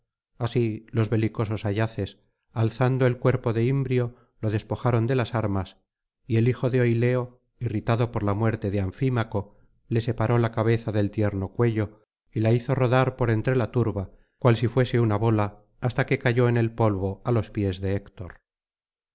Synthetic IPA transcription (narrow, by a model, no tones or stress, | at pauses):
asilo̞zβe̞liko̞so̞saʝaθe̞s | alθand̪oelkwe̞ɾpoðe̞imbɾjo̞ | lo̞ðe̞spo̞xaɾo̞nd̪e̞lasaɾmas | ie̞lixo̞ðeo̞jle̞o̞ | irit̪aðo̞poɾlamwe̞ɾt̪e̞ðeaɱfimako̞ | le̞se̞paɾo̞lakaβ̞e̞θaðe̞lt̪je̞ɾno̞kwe̞ʎo̞ | ilaiθo̞ro̞ðaɾpo̞ɾe̞nt̪ɾe̞lat̪uɾβa | kwalsifwe̞se̞unaβo̞laː | st̪ake̞kaʝo̞ene̞lpo̞lβo̞alo̞spje̞zðe̞ːkt̪o̞ɾ